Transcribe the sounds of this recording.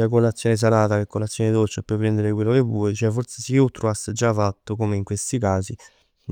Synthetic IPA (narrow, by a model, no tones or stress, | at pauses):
akolːat̪sːjɔːnɪs̬alaːt̪akekːolat̪sːjɔːned̪ot͡ʃepːepɾend̪eɾɪkwelːokevuːet͡ʃɛfːoɾt̪sesiut̪ːɾuasːed͡ʒːafat̪ːʊkomeiŋkwest̪ikaːsi